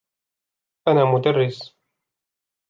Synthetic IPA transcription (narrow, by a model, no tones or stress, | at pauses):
ʔanaːmʊd̪arːɪs